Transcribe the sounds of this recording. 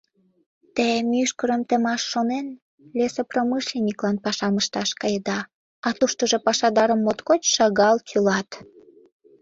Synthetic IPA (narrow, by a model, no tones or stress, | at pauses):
t̪emyʃkəɾəmt̪ə̆mɑʃːonen | lʲesepromɨʃlenʲiklɑnpɑʃɑməʃt̪ɑʃkɑjəd̪ɑ | ɑt̪uʃt̪əʒopɑʃɑd̪ɑɾəmːot̪kot͡ɕʃɑɣɑlkʰylɑt̪